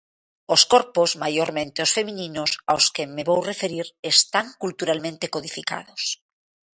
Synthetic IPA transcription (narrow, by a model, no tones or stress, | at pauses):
oskoɾpozmajoɾmẽnt̪eosfe̞mĩnĩnosa̰oskemeβowrefe̞ɾiɾest̪aŋkult̪uɾalmẽnt̪ekoð̞ifika̰ð̞os